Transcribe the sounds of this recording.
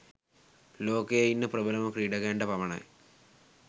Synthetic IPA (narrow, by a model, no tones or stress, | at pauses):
lo̞ːkeinːɨprɐbɐlɐmɐkriːɽɐɣeːɳɖɐpɐmɐɳɐ̰